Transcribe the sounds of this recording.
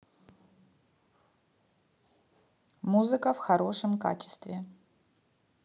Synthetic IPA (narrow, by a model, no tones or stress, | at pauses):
muzɨkəfxɐɾoʂɨmka̰t͡ɕɪ̥st̪vʲɪ